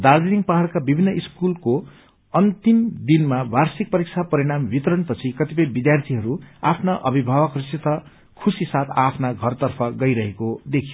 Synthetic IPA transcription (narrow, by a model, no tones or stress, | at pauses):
d̪ard͡ziniŋɡpaɦaɽkabibʱinːʌʔiskulko | ʌnt̪imd̪inmabarsik̚pʌɾik̚t͡sʰapʌɾiɽ̃ambit̪ɾʌnpʌt͡sʰikʌt̪ipʌjbid̪jart̪ʰiɦʌɾuapʰnaʔʌbibʱawʌkrisit̪ʌ | kʰusisat̪ʰapʰnaɡʱʌrt̪ʌrpʰʌɡʌjɾʌɦekod̪ekʰijo